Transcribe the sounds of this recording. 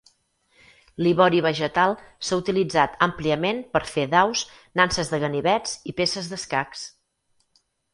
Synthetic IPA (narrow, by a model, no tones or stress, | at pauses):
liβɔɾiβ̞əʒət̪alˠsaut̪ilid͡zat̪əmpliəmenpəɾfeðaws | nansəzðəɣəniβɛt͡sipesəzðəskaks